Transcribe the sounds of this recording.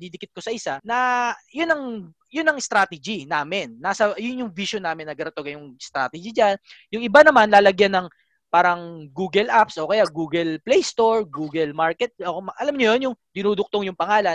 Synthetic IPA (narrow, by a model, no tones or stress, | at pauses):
d̪id̪ɪkɪt̪̚kosɐʔɪsanɐjʊnːɐŋ | jʊnːɐŋst̪ɾaːt̪ɛd͡ʒinaːmɪnːasɐjʊnjʊŋviʃonaːmɪnːɐɡɐɾɐt̪oɡɐjʊŋst̪ɾa̰ːt̪ɛd͡ʒid͡ʒanjʊŋʔɪbanɐmanlaːlɐɡjanːɐŋ | paːɾɐŋɡuːɡɛlʔapsʔo̞ːkɐjaɡuːɡɛlplɛjst̪o̞ɹɡuːɡɛlmaɹkɛt̪̚omɐʔɐlamɲojonjʊŋd̪ɪnuːd̪ʊk̚t̪o̞ŋjʊŋpɐŋaːlɐn